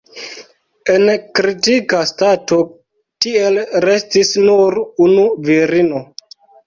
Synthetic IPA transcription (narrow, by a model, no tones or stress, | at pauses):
e̞nkɾitikastato̞ | tie̞lɾe̞stisnuɾunuviɾino̞